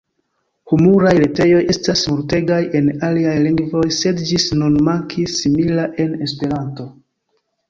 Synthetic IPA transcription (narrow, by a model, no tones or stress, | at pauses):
humuɾajɾe̞te̞jo̞je̞stasmuɾte̞ɡaje̞naliajliŋɡvo̞jse̞dd͡ʒisnunmaŋkʰisːimilaʔe̞ne̞spe̞ɾanto̞